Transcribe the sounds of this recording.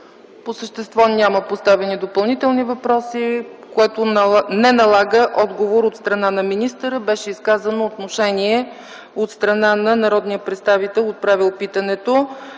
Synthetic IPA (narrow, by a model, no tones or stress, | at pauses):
posəʃt̪ɛst̪vɔnʲaməpost̪avɛnid̪opɐlˠnit̪ɛlˠnivɐpɾɔsikoɛt̪onɛnɐlˠaɡəʔɔd̪ɡovoɾot̪st̪ɾɐnanɐminist̪əɾəbɛʃɛiskazənoːt̪noʃɛnʲiɛ | ot̪st̪ɾɐnanɐnɐɾɔd̪nijəpɾɛt̪st̪avit̪ɛlˠot̪̚pɾavilˠpit̪ənɛt̪o